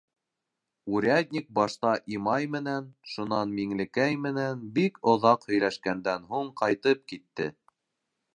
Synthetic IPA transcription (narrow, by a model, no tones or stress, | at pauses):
uɾʲæd̪ʲnʲik̚bɑʃt̪ɑʔimɑjmɘ̆nænʃunɑnmiŋlɘ̆kæjmɘ̆nænbikŏðɑqhɵ̆jlæʃkænd̪ænɦuɴqɑjt̪ɤp̚kit̪ːɘ̰